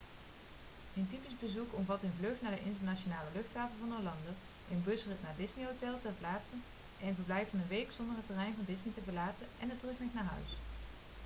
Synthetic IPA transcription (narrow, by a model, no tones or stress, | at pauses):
ənt̬ipizbəzukɔmvɑtənvlɵχtnaːɹdəʔɪntəɹnat͡ʃonaːləlɵχtaːfəlˠvɑnəlɑndə | ʔɪnbɵsrətnaːɹdɪsniɦowtɛlˠtɛɹplaːtsən | ʔɛnɪnvəɹblɛjfɑnənʋejksɔndəɹɦətːərɛjnvɑndɪsnitəbəlaːtənɛnətrɵkmɛxnaːɹɦœ̰ɥs